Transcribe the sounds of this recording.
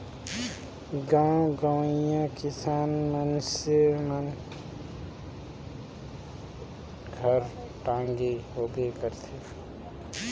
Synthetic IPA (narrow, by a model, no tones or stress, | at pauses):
ɡãɡãwijãkɪsaːnmənsemən | ɡʱəɾ | ʈãːŋɡiɦoːɡekəɾt̪ʰe